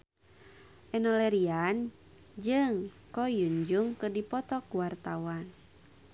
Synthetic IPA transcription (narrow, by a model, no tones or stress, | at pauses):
ʔɛnɔlɛɾian | d͡ʒɨŋ | kɔjuɲd͡ʒuŋkɨrdipɔt̪ɔkuwart̪awan